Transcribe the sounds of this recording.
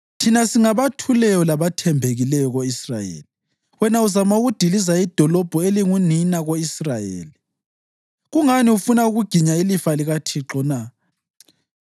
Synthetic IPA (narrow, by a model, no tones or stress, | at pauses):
tʰinasiŋaβatʰulɛjɔlaβatʰɛmbʱeɣilɛjɔɣoisra̰jḛːli | wɛnauzamauɣud̥ʱilizaid̥ʱɔlɔb̥ʱɔeliŋuninaɣoisrajḛːli | ɣuŋaniufunauɣuɡ̥ʱiɲailifaliɣatʰiǁɔna